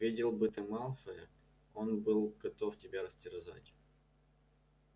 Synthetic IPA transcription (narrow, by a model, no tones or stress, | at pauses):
vʲidʲɪlˠbɨt̪ɨmalˠfəjə̰ | o̞nbɨlˠɡ̥ɐt̪oftʲɪbʲaɾəsʲtʲɪɾɪza̰tʲ